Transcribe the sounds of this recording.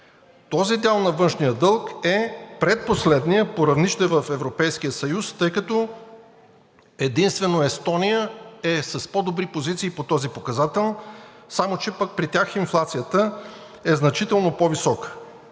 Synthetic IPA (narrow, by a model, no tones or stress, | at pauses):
t̪ɔzid̪ɛlˠnɐvɤnʃnijəd̪ɤlˠkɛpɾɛt̪̚poslɛd̪nijəpoɾɐvniʃt̪ɛvəfɛvɾopɛjsk̟ijəsɐjust̪ɤjkɐt̪ɔ | ɛd̪inst̪vɛnoɛst̪ɔnijəɛsəspɔd̪obɾipozit̪siːpot̪ɔzipokɐzat̪ɛlˠ | samot͡ʃɛpək̚pɾit̪ʲjaxinflˠat̪sijət̪ə | ɛznɐt͡ʃit̪ɛlˠnopɔvisɔkə̥